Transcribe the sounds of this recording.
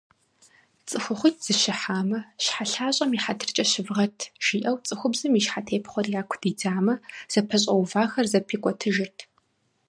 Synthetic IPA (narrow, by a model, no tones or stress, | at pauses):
t͡sʼɨxʷʊχʷʊtʰz̥ɨʃɪħaːmɐʃħaɬaːɕʼɐmiːħatʰɨrt͡ʃʼɐɕɪvʁɐtʰʒ̥iːʔɐwt͡sʼɨxʷʊbzɨmiʃħatʰeːpχʷɔrjaːkʷʰʊdiːdaːmɐz̥ɐpʰɐɕ̬ʼɐwvaːxɐrzɐpʰiːkʷʼɔtʰɨʒɪrtʰ